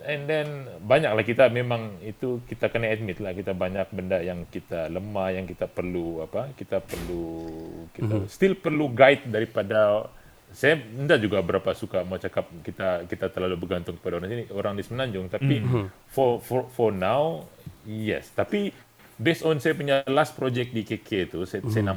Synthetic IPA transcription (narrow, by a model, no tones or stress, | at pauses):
ɛndɛnbaɲak̚lahkit̪amemaŋit̪ukit̪akənaɛt̪̚mɪt̪lahkit̪abaɲak̚bəndaʔjaŋkit̪aləmahjaŋkit̪apərluapakit̪apərlukit̪ast̪ɪlpərluɡaɪt̪̚daɾipada | sajaəndad͡ʒuɡabəɾapasukamaat͡ʃakap̚kit̪akit̪at̪ərlalubərɡant̪ʊŋkə̥padaoɾaŋsinioɾaŋdismənaɲd͡ʒʊŋt̪api | fɔfɔfɔrnaw | jɛ̰st̪api | bɛsɔnsajapuɲalas̚pɾod͡ʒɛk̚t̪̚dikekʰeit̪ussajanam